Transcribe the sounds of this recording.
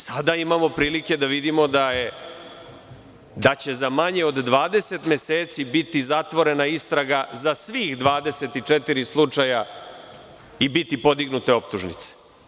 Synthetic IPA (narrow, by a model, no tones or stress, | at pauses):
sad̪aimamo̞pɾiːlike̞d̪aʋid̪imo̞d̪aje | d̪at͡ɕe̞zamaɲe̞od̪ːʋaːd̪e̞se̞t̪mje̞seːt̪sibit̪izat̪ʋo̞ɾe̞naist̪ɾaɡazasʋiːxd̪ʋaːd̪e̞se̞t̪it͡ʂet̪iɾislˠut͡ʂaja | ibit̪ipo̞d̪iɡnut̪e̞o̞pt̪uʒnḭt̪se̥